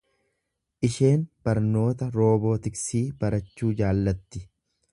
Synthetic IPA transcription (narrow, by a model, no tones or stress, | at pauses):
ʔɪʃe̞ːnb̥ɐɾno̞ːt̪ɐɾo̞ːbo̞ːt̪ɪksiːb̥ɐɾɐt͡ʃːuːd͡ʒaːlːɐt̪ːɪ